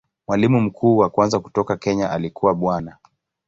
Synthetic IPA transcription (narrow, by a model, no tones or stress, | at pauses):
mwalimum̩kʰuːwakwanzaku̥tɔkakɛɲaʔalikuwaɓwana